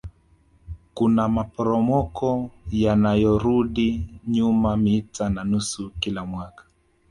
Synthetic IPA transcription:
kunamapɔɾɔmɔkɔjanajɔɾuɗiɲumamitananusukilamwakḁ

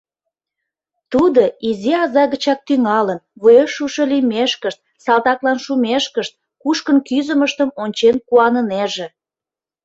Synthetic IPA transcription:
t̪ud̪oiziɑzɑɣət͡ɕɑk̚t̪yŋɑlənβujeʃuʃɤlimeʃkəʃt̪̚ | sɑlt̪ɑklɑnʃumeʃkəʃt̪̚ | kuʃkənkyzəməʃt̪əmonʲt͡ɕenkuɑnəneʒe

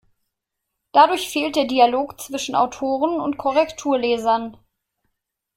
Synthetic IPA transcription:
d̥adʊɐçfeːlt̚d̥eːɐdialoːkt͡sv̥ɪʃn̩ʔa̰ʊtʰoːʁənʊntkʰɔʁɛktʰuːɐlɛːzɐn

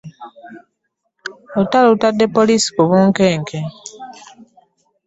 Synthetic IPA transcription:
otalotadːe̞poliːsi̥kuβuːŋkeːŋke

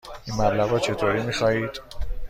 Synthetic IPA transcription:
inmæblæɣɒːt͡ʃʰe̞t̪ʰoːɾiːmiːxɒːhiːd̪̥

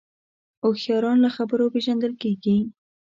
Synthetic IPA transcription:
oxjɑɾɑnlaxabəɾopeʒand̪əlkeɡi

